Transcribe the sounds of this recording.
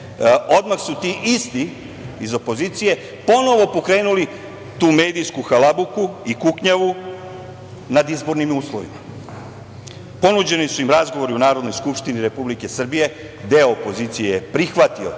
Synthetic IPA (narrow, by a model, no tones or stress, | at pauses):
o̞d̪maxsut̪iʔist̪i | izo̞po̞ziːt̪sije̞ | po̞no̞ʋo̞po̞kɾe̞ːnuli | t̪uːme̞ːd̪iskuxalabukuikukɲaʋu | nad̪izbo̞ɾnimuːslˠoʋima | po̞nud͡ʑe̞nisuimɾazɡo̞ʋo̞ɾiunaːɾo̞d̪no̞jskupʃt̪iniɾe̞publike̞sr̩bije̞ | d̪e̞oopo̞ziːt̪sijejepɾixʋat̪io̞̰